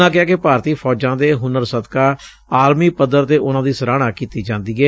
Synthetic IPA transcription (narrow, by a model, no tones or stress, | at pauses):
ãːkɪaːkepaːɾt̪iːpʰɔːd͡ʒãːd̪eːɦʊnəɾsəd̪kaː | aːɾmiːpəd̪əɾt̪eːʔʊnãːd̪iːsəɾaːɽ̃aːkiːt̪iːd͡ʒãːnd̪iːɡɛː